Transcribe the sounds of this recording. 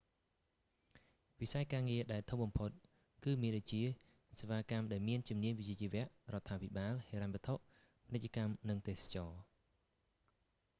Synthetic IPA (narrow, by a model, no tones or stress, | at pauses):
ʋisaɛkaːŋiəɗaɛlt̪ʰum̚ɓɑmpʰot̪̚ | kɨːmiənɗot͡ɕiə | seʋaːkamɗaɛlmiənt͡ɕumniəɲʋit͡ɕiət͡ɕiəʋɛ̆əʔrŏət̪ʰːaːpʰiɓaːlheːɾaɲʋɛ̆ət̪ʰoʔ | pʰnɨc̚t͡ɕə̆kamnɨŋt̪eːsḁt͡ɕɑː